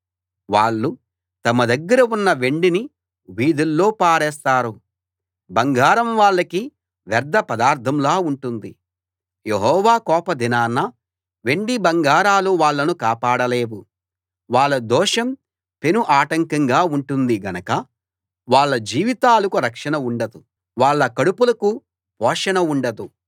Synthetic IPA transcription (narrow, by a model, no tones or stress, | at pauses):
ʋaːɭːu | t̪ɐmɐd̪ɐɡːɐɾɐunːɐʋe̞ɳɖini | ʋiːd̪ulːo̞ːpaːɾɛːst̪aːɾu | bɐŋɡaːɾɐmʋaːɭːɐki | ʋɐɾd̪ɐpɐd̪aːɾt̪ʰɐmlaːuɳʈund̪i | jeɦɔːʋaːkɔːpɐd̪inaːnːɐ | ʋe̞ɳɖibɐŋɡaːɾaːluʋaːɭːɐnukaːpaːɽɐle̞ːʋu | ʋaːɭːɐd̪ɔːʂɐm | pe̞nuʔaːʈɐŋkɐŋɡaːuɳʈund̪iɡɐnɐkɐ | ʋaːɭːɐd͡ʒiːʋit̪aːlɐkuɾɐkʂɐɳɐuɳɖɐd̪u | ʋaːɭːɐkɐɽupulɐku | pɔːʂɐnɐuɳɖɐd̪u